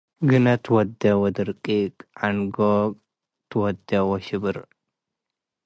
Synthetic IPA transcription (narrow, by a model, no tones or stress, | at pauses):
ɡɨnɐt̪ʰwɔd̪ːɐwɔd̪ɨɾkʼikʼʕanɡo | t̪ʰɨwɔd̪ːɐwɔʃɪbɨɾ